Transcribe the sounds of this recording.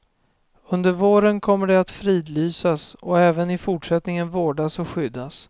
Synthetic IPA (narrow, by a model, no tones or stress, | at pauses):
ɵnd̪əɾvoːɾənkʰɔmːəɖɛat̪fɾiːd̪lyːsasɔɛːvənɪfʊʈʂɛt̪nɪŋənvoːɖasɔɧʏd̪ːas